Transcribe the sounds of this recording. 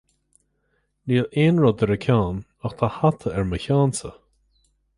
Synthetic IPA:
niːleːnɹɔd̪əɾəkʰaːn | axt̪ʰahat̪ʰəɛɹməçaːnsə̰

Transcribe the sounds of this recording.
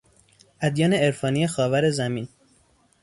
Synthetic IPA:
ʔæd̪jɒːne̞eɾfɒːnijexɒːvæɾe̞zæmiːn

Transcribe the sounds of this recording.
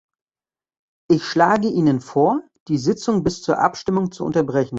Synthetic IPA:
ʔɪçʃlaːɡəʔiːnənfoːɐ | d̥iːzɪt͡sʊŋbɪst͡suːɐʔa̰pʃtɪmʊŋt͡suʔʊ̰ntɐbʁɛçn̩

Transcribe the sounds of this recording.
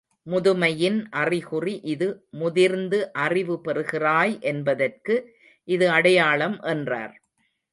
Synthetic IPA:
mʊðɯmɐjɪnʔɐrɪɣʊriʔɪðɯmʊðɪɾnd̪ɯʔɐrɪʋɯpɛrɯɣɪraːjʔɛnbɐðɐrkɯ | ʔɪðɯɐɽɐjaːɭɐmʔɛndra̰ːɾ

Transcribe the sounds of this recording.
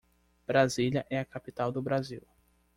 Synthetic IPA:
b̥ɾazilɐʔɛɐkapit̪awd̪ʊbɾaziw

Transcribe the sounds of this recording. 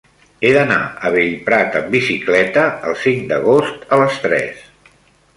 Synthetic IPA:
eðəna̰əβeʎpɾat̪əmbisiklɛt̪əəlˠsiŋd̪əɣ̞ost̪ələst̪ɾɛ̰s

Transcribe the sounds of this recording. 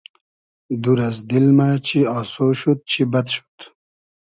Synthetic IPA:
d̪uɾɐzd̪ilmat͡ɕʰiɑːsoɕut̪̚t͡ɕʰibɐt̪ʃu̥t̪

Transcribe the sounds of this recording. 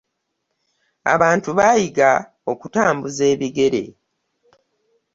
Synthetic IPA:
a̰βaːntuβajiɡa | o̞kutaːmbuze̞ːβiɡe̞ɾe̞̰

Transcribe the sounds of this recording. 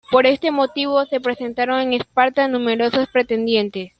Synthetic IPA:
po̞ɾe̞st̪e̞mo̞t̪iβ̞ose̞pɾe̞se̞nt̪aɾo̞ŋe̞ŋespaɾt̪anũme̞ɾo̞sospɾet̪e̞nd̪je̞nt̪es

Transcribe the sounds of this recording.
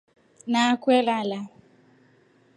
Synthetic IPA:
nakwɛlala

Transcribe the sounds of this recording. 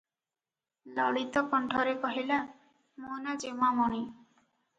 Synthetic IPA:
lɔ̰ɽit̪ɔkɔɳʈʰɔɾekɔɦila | monad͡ʒemamɔɽ̃i

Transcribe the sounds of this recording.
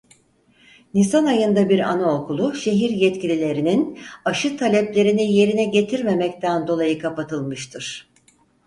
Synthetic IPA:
nisanajɯnd̪abiɾa̰naokʰulˠuʃe̞ɦiɾjɛt̪cilʲilʲe̞ɾininaʃɯt̪ʰalʲɛplʲe̞ɾinije̞ɾinɛɟe̞t̪ʰiɾme̞mɛct̪ʰænd̪o̞lˠajɯkʰapat̪ʰɯlˠmɯʃt̪ʰɯɾ̥

